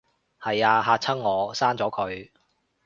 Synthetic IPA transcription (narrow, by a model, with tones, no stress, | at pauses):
hɐ˨jaː˧ɦaː˧t͡sʰɐ˥ŋːɔː˨˧saː˥nt͡sɔː˨˥kʰɵ˨˧ɥ